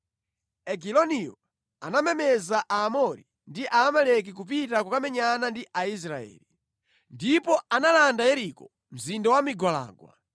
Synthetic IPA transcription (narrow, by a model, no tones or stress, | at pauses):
ɛk̬ilɔnijɔ | a̰namɛmɛzaʔaːmɔɾi | ndiʔaːmalɛk̬ik̬up̬itakukamɛɲanandiʔais̬ɾaɛ̰ːli | ndipɔanalandajɛɾikɔ | m̩zindawamiɡwala̰ːɡwa̰